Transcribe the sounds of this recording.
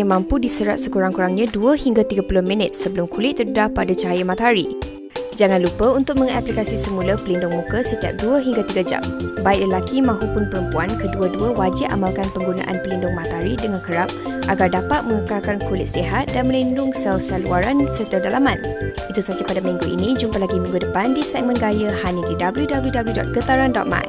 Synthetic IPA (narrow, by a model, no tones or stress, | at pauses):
mãmpudisəɾat̪̚səkuɾaŋkuɾaŋɲãduəhiŋɡat̪iɡapulʊhmĩnɪt̪̚səbəlʊmkulɪt̪ːərədapadat͡ʃaɦajamãt̪aɾi | d͡ʒaŋãnlupəunt̪ʊk̚mə̃ŋaplikasisəmulapəlindʊŋmũkəsət̪ia̰p̚duəɦiŋɡat̪iɡad͡ʒa̰mbaɪk̚ləlakimãɦupʊnpəɾəmpuankəduəduəwad͡ʒɪʔa̰malkanpəŋɡuna̰ʔa̰npəlindʊŋmãt̪aɾidəŋãnkəɾap̚ | ʔaɡardapat̪̚mə̃ŋukakankulɪt̪̚siɦat̪̚danmə̃lindʊŋsɛlsaluaɾansərt̪adalamãn | it̪usad͡ʒapadamĩŋɡuʔḭnĩd͡ʒumpalaɡimĩŋɡudəpandisɛk̚mə̃nɡajəhaɲədidabəljudabəljudabəljudɔ̰t̪̚ɡ̥ət̪aɾandɔ̰t̪̚ma̰j